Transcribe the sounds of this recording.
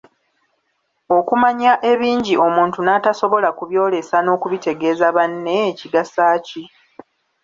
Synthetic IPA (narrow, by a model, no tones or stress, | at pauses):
o̞kumaɲaʔe̞βiːɲɟiʔo̞muːntunaːtaso̞βo̞lakuβjo̞ːle̞sano̞ːkuβite̞ɡe̞ːzaβanːe̞ːciɡasaːci